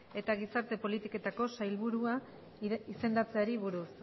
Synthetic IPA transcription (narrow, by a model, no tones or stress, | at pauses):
e̞t̪aɣisaɾt̪e̞po̞lit̪ike̞t̪ako̞sajlβuɾua | ise̞nd̪at͡se̞aɾiβ̞uɾus